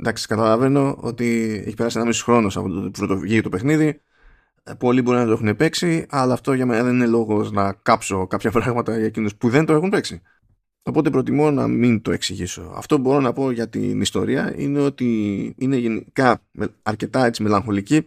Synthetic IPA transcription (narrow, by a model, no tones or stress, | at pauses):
nd̪ɐksi̥kɐt̪ɐlɐve̞no̞o̰t̪ie̞̰çi̥pe̞ɾɐsienɐmisoxɾo̞nosɐpot̪pɾot̪oʝiet̪ope̞xniði | po̞libo̞ɾinɐt̪oe̞xune̞pe̞ksiɐlɐːft̪o̞ʝɐme̞nɐðe̞ninelo̞ɣo̞znɐkɐpso̞kɐpçɐpɾɐɣmɐt̪ɐʝɐcino̞spuðent̪o̞e̞xunpe̞ksi | o̞po̞t̪̬e̞pɾo̞t̪imo̞nɐ̰mint̪o̞e̞ksiʝiso̞̰ɐ̰ft̪o̞pubo̞ɾo̞nɐpo̞ʝɐt̪ḭnist̪o̞̰ɾiɐ̰ḭne̞o̞t̪iine̞ʝe̞nikɐmeːɾce̞t̪ɐe̞t͡sime̞lɐŋxo̞lici